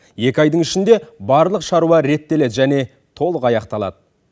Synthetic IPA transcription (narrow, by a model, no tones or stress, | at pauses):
je̞kʲɑjd̪əɴɪʃɪnd̪e̞bɑɾlˠəqʃɑɾuɑɾe̞t̪ːe̞le̞d̪ʒæne̞ | t̪ʰo̞lˠəqɑjɑqt̪ɑlˠɑ̰d̪ə